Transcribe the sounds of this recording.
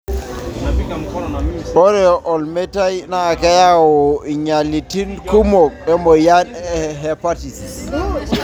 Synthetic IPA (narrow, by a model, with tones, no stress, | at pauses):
ɓɔ˦ɾɛʔɔ˨lme˦ta˦jnaː˦˨ka˦ja˦wɔ˨ɲa˨li˨ti˦nku˦mo˨k̚ɛ˦mɔ˨ja˦nɛ˦ɦɛ˨pati˨sis